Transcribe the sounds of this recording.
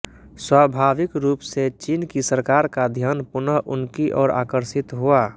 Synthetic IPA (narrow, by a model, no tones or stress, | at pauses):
swabʱaːʋɪkɾuːpset͡ʃiːnkisəɾkaːɾkad̪ʱjaːnpʊnəʔʊnkiʔɔːɾa̰ːkəɾsɪt̪ɦua